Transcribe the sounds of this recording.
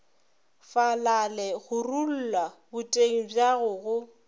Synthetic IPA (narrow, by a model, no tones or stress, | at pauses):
falalɛɣʊrul̩lwabʊtʼeŋ̩bjaɣʊɣʊ